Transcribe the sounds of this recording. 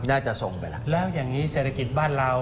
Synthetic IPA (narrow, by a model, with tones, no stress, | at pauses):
naː˥˩t͡ɕa˨˩so˨˩ŋwɛ˨˩la˦˩lɛː˦˥wjaː˨˩ŋniː˦˥se˨˩t̪ʰa˧ki˨˩t̪̚baː˥˩nɾaː˧w